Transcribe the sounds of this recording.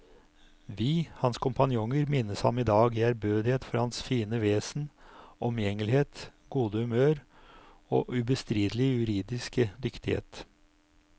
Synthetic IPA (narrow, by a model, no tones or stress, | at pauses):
ʋiːhɑnskʰʊmpɑnjʊŋəɾmɪnəshɑ̰mɪd̪ɑːɡɪæɾbøːd̪ɪheːt̪fɔɾhɑnsfiːnəʋeːsnʔɔmjɛŋəlɪheːt̪ɡuːd̪əhʉmøːɾ | o̰ːʔʉbəst̪ɾiːd̪əlɪjʉɾiːd̪ɪskəd̪ʏkt̪ɪhḛːt̪